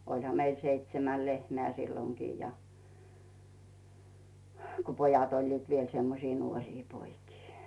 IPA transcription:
olʲhɑ meil seitsemæl lehmeæˑ silːoŋkiː jɑ h ko pojɑt olʲliːt ʋiel semːosiː nuorʲiː poikiː

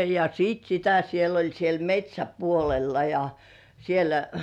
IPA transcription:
jɑ siːt sitæ siel olʲ siel metʲsʲæpuolelːɑ jɑ sielæ

